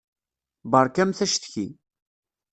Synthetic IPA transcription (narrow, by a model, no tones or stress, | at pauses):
bəɾˤkæmθæʃt̪çi